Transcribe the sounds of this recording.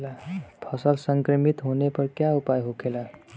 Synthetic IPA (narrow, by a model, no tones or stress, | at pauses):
apʰəsəlsəŋkɾəmit̪ɦonepəɾkjaupajɦokʰela